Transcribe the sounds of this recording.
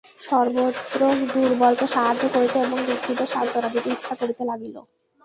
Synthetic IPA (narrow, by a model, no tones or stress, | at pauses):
ʃɔɾbot̪ːɾokd̪uɾbɔlt̪oʃaɦad̪ːokoɾit̪eeboŋb̪ikʰːit̪ːoʃant̪oɾab̪it̪eit̪ːʃʰakoɾit̪elaɡilo̰